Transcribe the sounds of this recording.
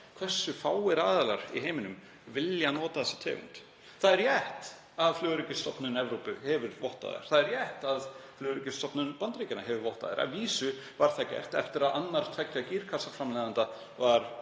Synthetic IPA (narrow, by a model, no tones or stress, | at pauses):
kʰv̥ɛsːʏfaːwɪɾaːðalaɾ̥ḭɦeːjmɪnʏm | vɪljanɔːt̪aθɛsɪ̥t̪ʰɛ̰ːɣṵnt̪ | θaðɛɾjɛht̪ | aðflœːðɾɪcɪst̪ɔpnʏnɛvɾowpʏhɛvɪɾvɔht̪a̰ðɪ̰ɾ̥θaðɛɾjɛht̪aðflœːðɾɪcɪst̪ɔpnʏnpant̪ɾicɪnaɦɛvɪɾvɔht̪a̰ðɪ̰ɾʔa̰viːsʏ | vaɾ̥θacɛ̰r̥t̪ɛ̰ft̪ɪɾaðanːaɾ̥t̪ʰɛjcːaciːɾ̥kʰasafɾamlɛːðant̪a | vaɾ̥